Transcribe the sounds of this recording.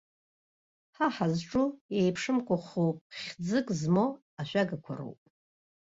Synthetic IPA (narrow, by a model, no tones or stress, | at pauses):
ħaħazʈ͡ʂʼujejpʰʂɨmkʷʰʼʊχowpʼχʲd͡zɨkʼzmo | aʃʷᶣaɡakʷʰa̰ro̰wpʼ